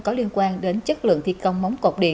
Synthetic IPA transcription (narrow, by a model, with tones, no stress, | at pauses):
kɔ˨˦li˧ənkwaː˧nɗe˨˦nt͡ɕə˦˥t̚lɨ̰˧˨əŋt̪ʰi˧kə˧wŋ͡mma˨˦wŋ͡mko˨˩k͡p̚ɗḭ˧˩